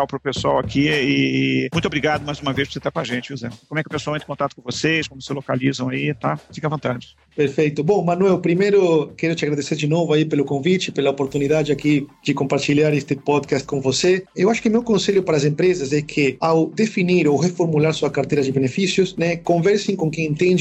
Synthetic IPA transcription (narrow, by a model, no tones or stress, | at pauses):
awpɾʊpeswawakʰiɪːmũj̃t̪obɾiɡad̪ʊmajzũmɐvejsposet̪aɾkw̃aʒẽnt͡ʃɪuzɛkomʊɛkɪʊpesawẽt̪ɪ̥̃kõt̪at̪ʊ̥kõvosejskõmʊsɪlokalizɐ̃w̃ait̪afikɐvɐ̃nt̪ad͡ʒɪ | peɾfejt̪ʊbõŋmãnwɛwpɾimejɾʊkɛɾʊt͡ʃɪaɣɾaðeseɾd͡ʒɪnovʊaipelʊkõvit͡ʃɪpelɐopoɾt̪uniðad͡ʒɪakid͡ʒɪkõmpaɾt͡ʃiʎaɾest̪ɪpɔd̪kast̪̚kõŋvoseewaʃʊ̥kɪmewkõnseʎʊpaɾɐs̬ẽmpɾezɐsɛkʰɪawd̪efiniɾowrefoɾmulaɾsuɐkaɾt̪ejɾɐd͡ʒɪbenefisjʊsnɛkõɱvɛɾsẽŋkõŋkẽŋẽnt̪ẽnd͡ʒ